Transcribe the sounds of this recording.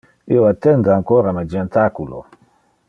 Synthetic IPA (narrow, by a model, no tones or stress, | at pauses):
iwatɛŋɡaŋkɔɾamad͡ʒɛ̃ntakulɔ̰